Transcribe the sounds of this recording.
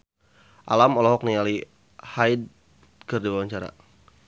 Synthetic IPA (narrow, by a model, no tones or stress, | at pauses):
ʔa̰lamɔlɔɦɔk̚niali | hajd̚ | kərdiwawaɲt͡ʃaɾa̰